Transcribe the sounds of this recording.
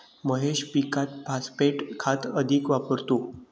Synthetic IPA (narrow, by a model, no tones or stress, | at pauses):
məɦeɕpikat̪̚paspeʈkʰat̪əd̪ʱikʋapəɾt̪o